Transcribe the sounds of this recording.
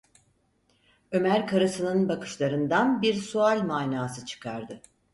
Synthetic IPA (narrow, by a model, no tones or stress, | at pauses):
ø̞mæɾkʰaɾasɯnɯnbakɯ̥ʃlˠaɾɯnd̪anbiɾsualʲmaːnaːsɯt͡ʃʰɯ̥kʰaɾd̪ɯ